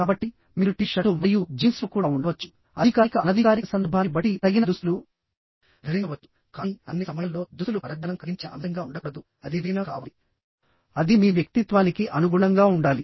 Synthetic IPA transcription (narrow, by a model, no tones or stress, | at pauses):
kaːbɐʈːi | miːɾuʈiʃɐʈuʋɐjud͡ʒiːnsʋɐkuːɽaːuɳɖɐʋɐt͡ʃːu̥ | ɐd̪ʱikaːikɐɐnɐd̪ʱikaːɾiɐsɐnd̪ɐɾbʱaːibɐʈit̪ɐɡinɐd̪uslu | ɾɐɾiɐʋɐt͡ʃːu̥ | kaːiɐ̰nːisɐmɐjɐlːo̞ːd̪usulupɐɾɐd̪ɐnɐmkɐɡiɲt͡ʃiʔɐ̰mɐŋɡaːuɳɖɐkɽɐd̪u | ɐd̪iʋinɐka̰ːʋɐli | ɐd̪imiːʋjɐk̚t̪it̪ʋaːnikiʔɐnuɡuːɽɐŋɡaːuɳɖaːli